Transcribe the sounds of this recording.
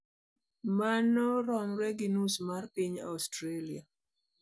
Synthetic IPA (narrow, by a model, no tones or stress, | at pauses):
manɔɾɔmɾɛɡinusmarpiɲa̰ɔstɾelia